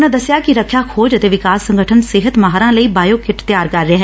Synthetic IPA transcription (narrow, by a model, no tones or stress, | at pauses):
nãːd̪əsɪjaːkɪɾəkʰːjaːkʰoːd͡ʒət̪eːʋɪkaːsːə̃ŋɡəʈʰənsɪɦət̪maɦaːɾãːləiːbaːjoːkɪʈt̪jaːɾkəɾːɪaːɦɛː